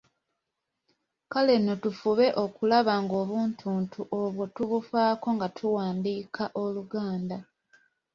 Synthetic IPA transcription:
kale̞no̞tufuβe̞ʔo̞kulaβaŋɡo̞ːβuːntʰuːntʰuʔo̞βwo̞tuβufaːko̞ŋɡatʰuwaːndiːkʰaʔoluɡaːnda

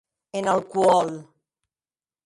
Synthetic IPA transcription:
enəlˠkuɔl

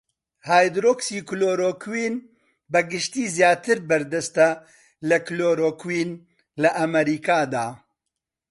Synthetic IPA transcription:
haːjd̪ɾoːksiːkloːɾoːkʰwiːn | bɐɡɨʃt̪iːzjaːt̪ɨɾbɐɾd̪ɐst̪ɐ | lɐkloːɾoːkwiːn | lɐʔɐmɐɾiːkaːd̪aː

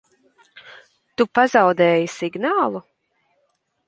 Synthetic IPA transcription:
t̪upazawd̪ɛːjisiɡnaːlˠu

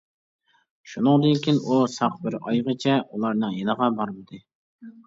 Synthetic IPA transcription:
ʃunɨŋd̪ɨnkʲʰinusɑqbɪɾɑjʁət͡ʃʰɛulˠɑɾnɨŋjenəʁɑbɑɾmɨd̪ɨ

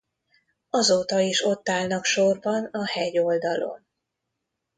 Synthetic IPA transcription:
ɒzoːt̪ɒiʃo̞t̪ːaːlnɒkʃo̞rbɒnɒhɛɟo̞ld̪ɒlo̞̰n

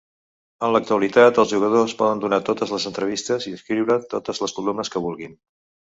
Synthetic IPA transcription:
ənlək̚t̪uəlit̪at̪əlˠzʒuɣ̞əðospɔðənd̪unat̪ot̪əzləzənt̪ɾəβ̞ist̪əziəskɾiwɾət̪ot̪əzləskulumnəskəβulˠɣin

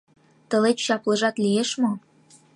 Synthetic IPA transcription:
t̪ə̆let͡ɕɕɑplɤ̆ʒɑt̪lieʃmɤ

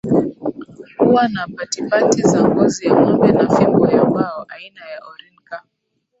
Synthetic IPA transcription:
huwanapatipatizaŋɡɔziamɔmbɛnafibɔjakwaɔʔainajaʔɔɾɛnka

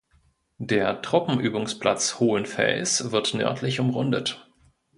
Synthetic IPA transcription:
d̥eːɐtʁ̥ʊpm̩ʔyːbʊŋspl̥a̰t͡shoːənfɛ̰lsv̥ɪɐtnœ̰ɐtʰlɪçʊmʁʊndət

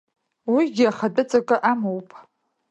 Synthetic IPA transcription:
wiɡʲɪaχadʼɨt͡sʼakʼɨʔamowpʼʰ

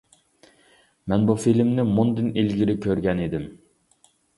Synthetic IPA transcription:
mɛnbufilmnɪmund̪ɨnilɡʲiɾɪkʲʰøɾɡʲɛnid̪ɪm

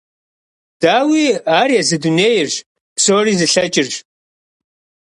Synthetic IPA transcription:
d̥aːwiːaːɾiɛzɨduneːjɪrʒ | psoːriːzɨɬɐt͡ʃʼɪrʒ

